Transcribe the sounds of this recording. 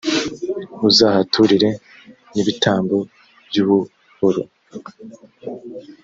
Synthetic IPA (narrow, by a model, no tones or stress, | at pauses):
uzahatʰuɾiɾe̞ | niβitaːmbo̞ | bjuːβu | huɾu